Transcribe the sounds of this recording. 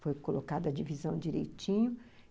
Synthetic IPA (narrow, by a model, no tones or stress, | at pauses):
fojkolokad̪ɐd͡ʒivizɐ̃w̃d͡ʒiɾḛjt͡ʃĩɲʊ